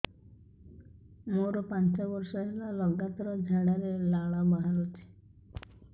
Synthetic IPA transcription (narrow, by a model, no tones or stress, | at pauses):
moɾɔpant͡ʃabɔɾsɔɦelalɔɡat̪ɔɾɔd͡ʒʱaɽaɾelaɭabaɦaɾɔt͡ʃʰe̥